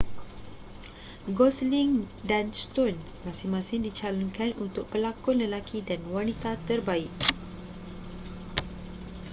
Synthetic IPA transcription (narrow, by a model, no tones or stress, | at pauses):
ɡɔsliŋ | danst̪on | mãsɪŋmãsɪndit͡ʃalɔnkanunt̪ʊk̚pəlakʊnləlakʰidanwanĩt̪at̪ərbaɪʔ̚